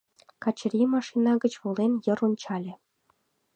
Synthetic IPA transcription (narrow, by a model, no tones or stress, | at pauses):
kɑt͡ɕ̆rʲimɑʂinɑɡə̆t͡ɕβolenjɤ̆ɾunt͡ɕɑlʲĕ